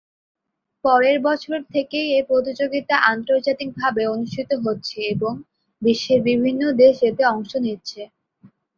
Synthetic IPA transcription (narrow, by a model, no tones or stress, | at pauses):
pɔɾeɾbɔt͡ɕʰoɾt̪ʰekejepɾot̪̬id͡ʑoɡit̪aʔant̪oɾd͡ʑat̪ik̚bʱabeonuʃʈʰit̪oɦotːɕʰeeboŋ | biʃːeɾbibʱinːod̪eʃet̪eɔŋʃonitːɕʰe